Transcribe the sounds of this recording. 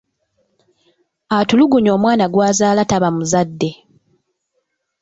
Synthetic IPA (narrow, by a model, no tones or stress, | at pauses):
atuluɡuɲo̞ːmwaːnaɡwaːzaːlataβamuzadːe̞